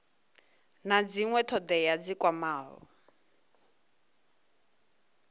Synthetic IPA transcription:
nad͡ziŋwɛtʰɔd̪ɛjad͡zikwamaːlɔ̰

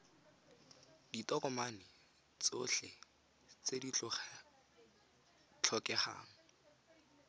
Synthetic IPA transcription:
d̥itɔkɔmanɪ | t͡soɬe | t͡sedit͡ɬʊχɛ | t͡ɬʰɔkɛχa̰ːŋ̩

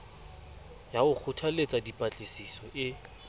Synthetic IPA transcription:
jaʊk͡xʰʊtʰalet͡sʼadipʼat͡ɬʼɪsisɔʔɪ

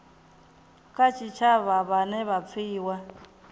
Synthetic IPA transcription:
kʼat͡ʃʰʼit͡ʃʰaβaβanɛβap̪fʰiːwa

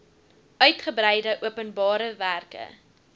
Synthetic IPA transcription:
œɥtχəbrɛjdəʔuəpənbɑːɾəværkə̰

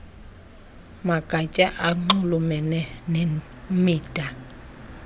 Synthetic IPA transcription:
maɡ̥ʼʱat͡ʃʼaʔaŋ͡ǃulumɛnɛne | miːd̥ʱʼa

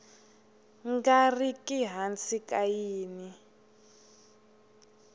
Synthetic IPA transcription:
ŋɡarikʼiɦant͡sikajiːni

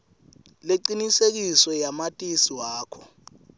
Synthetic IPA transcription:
leǃinisek̬isɔjamatʼisiwaːkʰɔ

